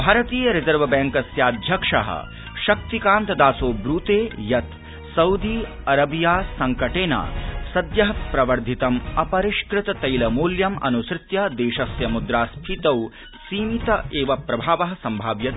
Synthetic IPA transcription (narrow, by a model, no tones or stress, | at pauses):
bʱaːɾɐt̪iːjɐɾezɐɾʋɐbɛːŋkɐsjaːd̪ʱjɐkʂɐ̰ɦɐ̰ | ʃɐk̚t̪ikaːnt̪ɐd̪aːsoːbɾuːt̪eːjɐt̪ | sɐwd̪iː | ɐɾɐbijaːsɐŋkɐʈeːna̰ːsɐd̪jɐɦɐpɾɐʋɐɾd̪ʱit̪ɐmɐpɐɾiʃkɾɪt̪ɐt̪ɐjlɐmuːljɐmɐ̰nusɾɪt̪jɐd̪eːʃɐsjɐmud̪ɾaːspʰit̪ɐw | siːmit̪ɐeːʋɐpɾɐbʱaːʋɐɦɐ̆sɐmbʱaːʋjɐt̪